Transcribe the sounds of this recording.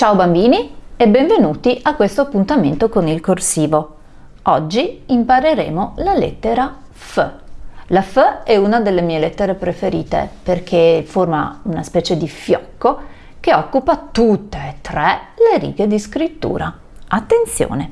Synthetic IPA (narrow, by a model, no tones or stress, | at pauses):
t͡ʃaobambiːniebːeɱvenuːt̪iʔakːwest̪oapːunt̪ament̪okonilkorsiːvo | ɔd͡ʒːiimpaɾeɾḛːmolalḛt̪ːeɾa | fə | lafəɛunad̪elːemiːelɛt̪ːeɾepɾefeɾiːt̪ḛperkʰeforma̰unaspɛːt͡ʃed̪ifjɔ̰kːo | keɔkːupat̪ut̪ːeet̪ːɾɛleɾḭːɡed̪iskɾit̪ːṵːɾa | at̪ːent̪sjo̰ːne